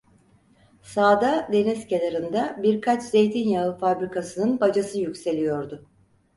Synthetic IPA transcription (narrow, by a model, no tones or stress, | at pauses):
saːd̪ad̪e̞niscelʲaɾɯnd̪abiɾkʰat͡ʃz̥e̞jt̪ʰinjaɯfabɾikʰasɯnɯnbad͡ʒasɯjycse̞lʲijo̞ɾd̪ʊ